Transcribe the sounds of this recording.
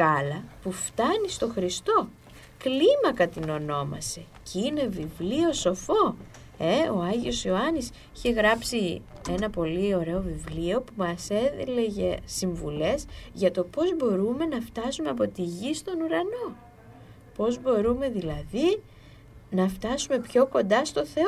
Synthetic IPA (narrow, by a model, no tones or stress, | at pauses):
ɐlɐpuft̪ɐnist̪o̞xɾist̪o̞ | klimɐkɐt̪ino̞no̞mɐ̰se̞ | cine̞vivlio̞so̞fo̞ | e̞o̞ɐʝio̞sioɐnis | i̥çe̞ɣɾɐpsie̞nɐpo̞lio̞ɾe̞o̞vivlio̞pumɐse̞ðile̞ʝe̞siɱvṵle̞zʝɐt̪o̞po̞zbo̞ɾume̞nɐft̪ɐsume̞ɐp̬o̞t̪iʝist̪o̞nuɾɐno̞ | po̞zbo̞ɾume̞ðilɐði | nɐft̪ɐsume̞pço̞ko̞nd̪ɐst̪o̞θe̞o